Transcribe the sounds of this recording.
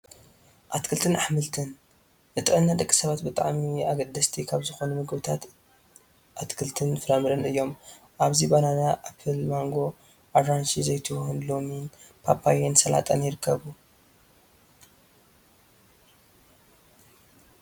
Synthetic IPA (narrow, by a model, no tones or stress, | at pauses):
ʔat̪kʰɨlt̪ʰɨnaħmɨlt̪ʰɨn | ʔɨt̪ʼɨʕɨnːad̪ɐkʼːi̥sɐβat̪bɨt̪ʼa̰ʕmiaɡɐd̪ːɐst̪ʰikʰaβzɨxo̞numɨɡbɨt̪ʰat̪ | ʔat̪kʰɨlt̪ʰɨnfɨɾamɨɾɐnɨjːo̞m | ʔaβzibananaʔapʰɨlmaŋɡo̞ | ʔaɾɾanʃizɐjt̪ʰɨhunlo̞minpʰapʰajensɐla̰t̪ʼɐnjɪɾɨkːɐβu